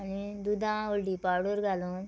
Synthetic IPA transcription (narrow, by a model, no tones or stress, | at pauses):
ni | d̪ud̪ãːolɖipaːɾɽoɾɡalõn